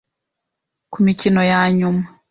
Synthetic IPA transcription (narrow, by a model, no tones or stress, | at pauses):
kumicinɔjaɲuma